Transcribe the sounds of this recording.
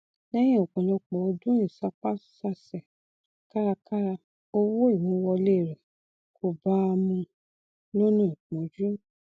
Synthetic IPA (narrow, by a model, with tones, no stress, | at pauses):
lɛ˦j̃ɛ̃˦ɔ˨kɔ̃˨lɔ˨˧k͡pɔ˨˧dũ˦ĩ˨sa˧˦k͡pa˦sa˦˧sɛ˨ | ka˦ɾa˧ka˦ɾa˧ | o˧wo˦i˨wĩ˨˦wɔ˧le˦˨ɾɛ˨ | kʰo˨ba˦˧mũ˧ | lo˦nũ˦˨ĩ˨k͡pɔ̃˨˦d͡ʒu˦